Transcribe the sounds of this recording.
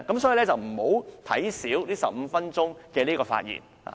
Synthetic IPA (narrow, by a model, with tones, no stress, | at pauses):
kɐ˨˥msɔː˨˦˥ji˧lɛ˥t͡sɐ˨wm̩˨˩ho˨˧˥wt̪ʰɐ̰˨˥jsiː˨˥wliː˥sɐ˨p̚m̩˨˧fɐ˥nt͡sʊ˥ŋkɛː˧liː˥kɔː˧fa̰ː˧t̚jḭː˨˩nha̰ː˨